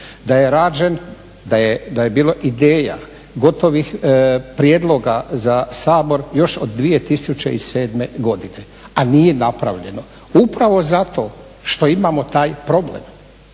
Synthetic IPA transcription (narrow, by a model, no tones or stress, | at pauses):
d̪aje̞ɾaːd͡ʒen | d̪ajed̪aje̞biːlˠoʔid̪eːja̰ | ɡo̞t̪o̞ʋixpɾijed̪lˠo̞ɡazasaːbo̞ɾjo̞ʃod̪ːʋije̞t̪isut͡ʃḛise̞ːd̪me̞ɡo̞d̪ine̞ | anijenapɾa̰ʋʎe̞no̞ | upɾaʋo̞zat̪o̞ː | ʃt̪o̞imamo̞t̪aːjpɾo̞blḛm